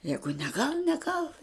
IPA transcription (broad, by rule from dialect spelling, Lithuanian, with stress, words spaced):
ˈjæːɡʊ nʲɛˈɡɐlˠ nʲɛˈɡɐlˠ